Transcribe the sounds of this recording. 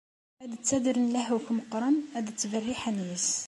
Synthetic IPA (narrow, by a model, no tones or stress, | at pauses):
æd̪ət͡sːæd̪əɾənlæhukməqɾˤəmæd̪ət͡sːvərːiħænjəs